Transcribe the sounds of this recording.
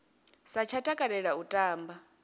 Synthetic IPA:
sat͡ʃʰatʼakʼaɾɛɺautʼaːmba

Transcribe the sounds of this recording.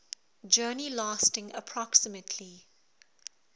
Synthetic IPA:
d͡ʒɜːnilaːˑstɪ̃ŋə̰pʰɹɔksɪmətʰli

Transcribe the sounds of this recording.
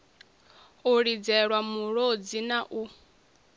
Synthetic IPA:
uɺid͡zɛɺwamuɺod͡zinaʔu

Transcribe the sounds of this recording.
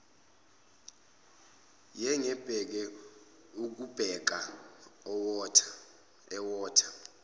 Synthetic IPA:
jɛŋɛb̥ʱɛk̬ɛ | uk̬ub̥ʱɛk̬aɔtʰ | ɛwɔːtʰḁ

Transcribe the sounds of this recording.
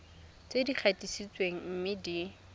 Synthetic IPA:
t͡sedik͡xʰatʼisit͡sweŋ̩m̩mɪdi

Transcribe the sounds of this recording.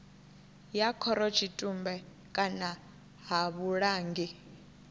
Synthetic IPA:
jakʰɔɾɔt͡ʃʰitʼumbɛ | kʼana | ɦaβuɺaːŋɡi

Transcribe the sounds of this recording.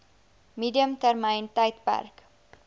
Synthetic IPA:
miːdiəmtærməjntɐjtpæ̰rk

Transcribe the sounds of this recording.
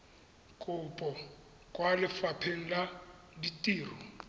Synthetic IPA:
kʼʊpʼɔ | kʼwalɪfapʰeŋ̩la | ditʼiːrɔ

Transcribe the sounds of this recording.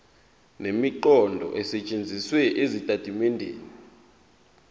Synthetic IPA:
nemiǃɔndʱɔ̰ʔɛsɛt͡ʃʼend͡zʱiswɛʔezitʼad̥ʱimɛndʱḛːni

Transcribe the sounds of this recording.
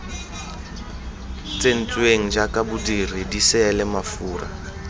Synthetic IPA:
t͡sʼen̩t͡sʼweŋ̩d͡ʒakʼabʊdiridisɪɛlɪmafuːra̰

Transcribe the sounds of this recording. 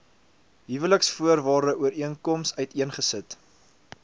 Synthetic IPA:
ɦivələksfuərvɑːrdəʔuəɾiənkɔmsœɥtiənχəsət

